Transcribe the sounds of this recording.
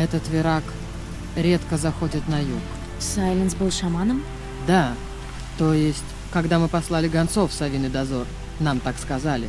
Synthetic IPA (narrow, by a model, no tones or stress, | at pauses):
ɛt̪ət̪vʲɪɾak | ɾʲet̪kəzɐxo̞dʲɪt̪nɐjuk | sajlʲɪnsbɨlˠʂɐmanəm | d̪a | t̪o̞jɪsʲtʲ | kɐɡd̪amɨpɐslˠalʲɪɡɐnt̪sofsɐvʲinɨd̪ɐzo̞r | namt̪akskɐzalʲɪ